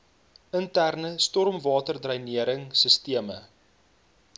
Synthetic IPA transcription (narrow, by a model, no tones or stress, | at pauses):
əntærnəstɔrmvɑːtərdrɐjniəɾəŋsəstiəmə